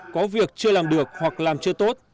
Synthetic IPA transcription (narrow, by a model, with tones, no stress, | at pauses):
kɔ˨˦vi˨˩ək̚t͡ɕɨ˧əlaː˨˩mɗɨ˨˩ək̚hwa˨˩k̚laː˨˩mt͡ɕɨ˧ət̪o˦˥t̚